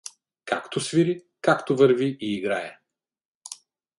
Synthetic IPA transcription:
ka̰kt̪osvʲiɾi | kakt̪ovəɾviʔiːɡɾaɛ

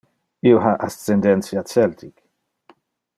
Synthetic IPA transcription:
iwħɐʔɐst̪ːɛnd̪ɛnt͡sjɐsɛlt̪ʰik

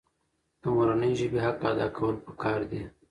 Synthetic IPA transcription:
t̪umɾanəjʒəbeɦaq̚ad̪ɑ̰kʰawəlpə̥kɑːɾd̪i

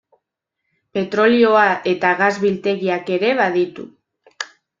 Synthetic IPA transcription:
pe̞t̪ɾo̞lio̞aʔe̞t̪aɣazβilt̪e̞ɣiake̞ɾe̞β̞aðit̪ṵ

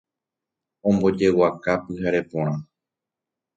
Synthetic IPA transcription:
õ̞mbo̞d͡ʒe̞wakapɨhaɾe̞põ̞ɾ̃ã

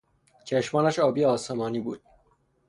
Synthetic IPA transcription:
t͡ʃʰeʃmɒːnæʃɒːbijeɒːsemɒːniːbuːd̪̥̚

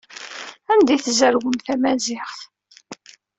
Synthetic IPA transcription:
ænd̪iθzəɾwəmθæmæzɪχθ

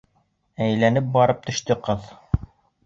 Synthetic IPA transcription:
æjlænɘp̚bɑɾɤp̚t̪ɵ̆ʃt̪ɵqɤð

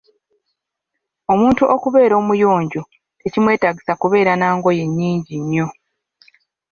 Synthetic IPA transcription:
o̞muːntuʔo̞kuβe̞ːɾo̞ːmujo̞ːɲɟo | ecimwe̞ːtaɡisakuβe̞ːɾanaːŋɡo̞je̞ɲːiːɲɟiɲːo̞

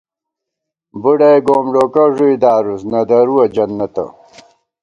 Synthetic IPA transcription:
buɽɐjɡoːmɖoːkɐʐuid̪aːɾusnɐd̪ɐɾuwɐd͡ʑɐnːɐt̪ɐ̰

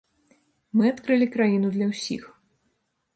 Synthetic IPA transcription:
mɨat̪kɾɨlʲikɾajinud̪lʲɐwsʲḭx

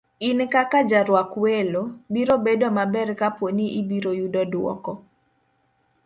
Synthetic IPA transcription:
inkakad͡ʒaɾwakwelobiɾobedomabɛrkapwoniʔibiɾojudɔdwɔ̰kɔ

